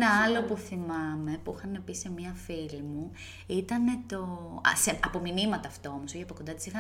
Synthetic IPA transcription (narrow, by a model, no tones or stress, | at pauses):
nɐɐlo̞puθimɐme̞puixɐne̞pise̞miɐfilimu | it̪ɐne̞t̪o̞ɐ̰seɐpo̞minimɐt̪ɐːft̪oomosuçiɐpt̪oko̞nd̪ɐt̪i̥sixɐ